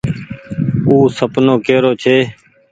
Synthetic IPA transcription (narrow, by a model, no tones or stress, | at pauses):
uːsəpnoːkeːɾoːt͡ʃʰeː